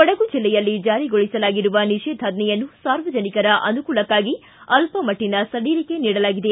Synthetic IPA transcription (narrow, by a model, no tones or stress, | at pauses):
ɐɽɐɡud͡ʒilːɛjɐlːid͡ʒaːɾiɡoɭisɐlaːɡiɾuʋɐniʂeːd̪ʱaːd̪nɛjɐnːusaːɾʋɐd͡ʒɐnikɐɾɐʔɐnukuːlɐkːaːɡi | ɐlpɐmɐʈːinɐsɐɽiːɾike̞niːɽɐlaːɡid̪e̞